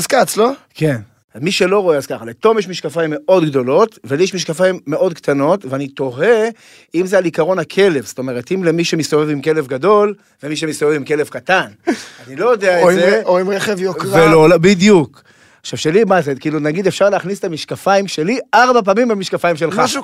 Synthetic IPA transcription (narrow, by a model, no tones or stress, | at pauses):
zkat͡sloke̞n | miʃe̞lo̞ʁo̞eazkaχalet̪o̞mjeʃmiʃkafajimːeʔo̞dɡdo̞lo̞tveljeʃmiʃkafaimːeʔo̞d̪kt̪ano̞tveanit̪o̞ʁe | imzealikaʁo̞nakʰe̞le̞vst̪o̞me̞ʁetimlemiʃemistovevimke̞le̞vɡado̞l | vemiʃ̬emist̪ovevimke̞levkatananilo̞jod̪eaezeoimʁeχevjokʁelolbidjuk | aχʃav̥ʃelimazekiːlunaɡid̪efʃaʁleaːχnisetamiʃkafaimʃe̞liʔaʁbapaːmimbamiʃkafajimʃelχaʃu